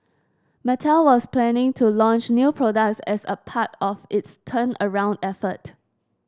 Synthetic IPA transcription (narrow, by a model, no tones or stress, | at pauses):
mɛtʰalwɔsplɛ̃nɪ̃ŋtʰulɔ̃nt͡ʃnjupʰɹɔdək̚tsɛsəpʰatɔfɪtstʰə̃nəɹãʊ̃ndɛfət